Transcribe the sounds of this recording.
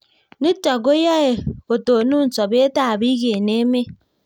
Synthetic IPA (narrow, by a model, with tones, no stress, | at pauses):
ni˦tɔ˨ɡo˦ja˦e˨o˨to˨nu˦n̩˨sɔ˨be˦e˦ta˦˨bi˦ɣe˨ne˦me˦